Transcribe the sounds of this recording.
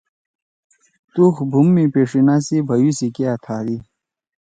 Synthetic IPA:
t̪uxbʱumːipeːʂinasibʱɐjusikiat̪ʰaːɾi

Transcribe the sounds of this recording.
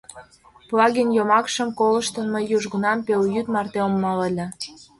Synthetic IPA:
plɑɣinjomɑkʃə̆mkolə̆ʃt̪ə̆nməjːuʒɣənɑmpeljyt̪mɑrt̪eomːɑləlʲĕ

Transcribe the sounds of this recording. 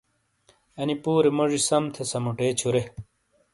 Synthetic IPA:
ɐnipuːɾemoʐisɐmt̪ʰesɐmuʈeːt͡ɕʰuɾe

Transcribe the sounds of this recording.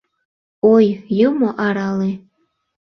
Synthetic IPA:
ojjumoʔɑɾɑle

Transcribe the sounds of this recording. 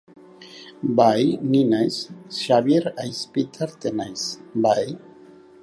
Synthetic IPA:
bajninajsʃaβjiɾajspit̪ʰeɾt̪enajsbaj

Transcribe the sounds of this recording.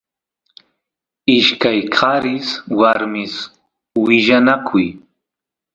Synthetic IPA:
ɪʃkajkʰɑɾɪswaɾmɪs | wɪʒanakʰʊj

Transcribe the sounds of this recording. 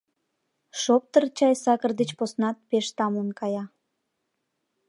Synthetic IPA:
ʃop̚t̪ərt͡ɕɑjsɑkərd̪et͡ɕposnɑt̪̚peʃt̪ɑmlənkɑjɑ

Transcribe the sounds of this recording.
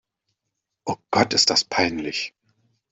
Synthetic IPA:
ʔoːɡ̥ɔtɪst̚d̥aspʰaɪnlɪç

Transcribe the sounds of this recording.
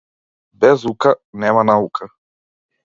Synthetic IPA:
bezukaneːmanaukʰa

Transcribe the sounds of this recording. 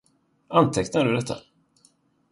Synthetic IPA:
ant̪ʰɛknaɖɵd̪ɛt̪ʰːa̰

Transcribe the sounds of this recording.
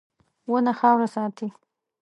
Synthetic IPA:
wənaxɑwɾasɑt̪i

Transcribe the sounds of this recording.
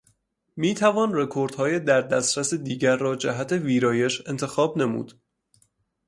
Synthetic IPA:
miːt̪ʰævɒːnre̞kʰo̞ɾd̪̥hɒːjed̪æɾd̪æst̪ɾæsed̪iːɟæɾːɒːd͡ʒæɦæt̪ʰe̞viːɾɒːje̞ʃe̞nt̪ʰexɒːbne̞mṵd̪̥

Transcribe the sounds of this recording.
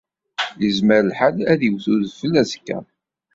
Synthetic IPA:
jəzməɾəlħalæðiwθuðfəlːæzkːæ̰

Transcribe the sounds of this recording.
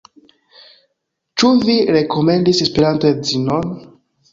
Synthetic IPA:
t͡ʃuviɾe̞kʰo̞me̞ndisespeɾantoezinon

